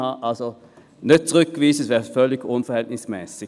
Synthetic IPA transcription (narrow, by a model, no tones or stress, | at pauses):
ɑɑlsɔ | nœt̪ʰːʁʏkːʋiːsəsʋɛfœlɪkʊnfɔhɛlt̪nɪŋsmɛsɪ